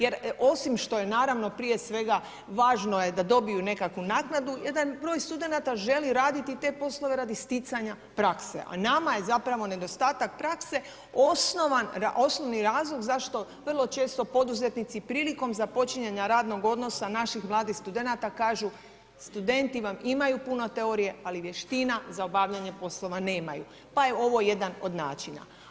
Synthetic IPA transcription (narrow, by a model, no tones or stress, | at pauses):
je̞ɾo̞simʃt̪o̞je̞naːɾaʋno̞pɾijesʋe̞ɡa | ʋaːʒno̞je̞d̪ad̪o̞bijune̞kakʋunaːknad̪ujed̪anbɾo̞jst̪ud̪e̞nat̪aʒe̞liɾaːd̪it̪it̪e̞po̞slˠo̞ʋe̞ɾad̪ist̪it̪saɲa | pɾakse̞̰ʔa̰namaje̞zapɾaʋo̞ne̞d̪o̞st̪aːt̪ak̚pɾakse̞ | o̞snoʋanaʔo̞sno̞ʋniɾaːzlˠo̞ɡzaʃt̪o̞ʋr̩lˠo̞t͡ʃe̞ːst̪o̞po̞d̪uze̞t̪nit̪sipɾiːliko̞mzapo̞t͡ʃiɲaɲaɾaːd̪no̞ɡo̞d̪no̞sanaʃixmlˠaːd̪ixst̪ud̪e̞nat̪akaːʒu | st̪ud̪e̞nt̪iʋamimajupunot̪e̞o̞ɾije̞aliʋje̞ʃt̪inazaobaʋʎaɲe̞po̞slˠo̞ʋane̞ːmaju | paje̞o̞ʋo̞je̞d̪ano̞d̪na̰ːt͡ʃina̰